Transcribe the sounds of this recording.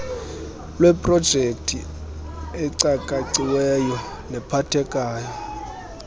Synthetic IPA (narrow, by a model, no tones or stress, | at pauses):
lwɛpʼrɔd̥ʒ̥ʱek̚tʰi | ɛǀakʼaǀiwɛjɔ | nɛpʰatʰɛkʼaːjɔ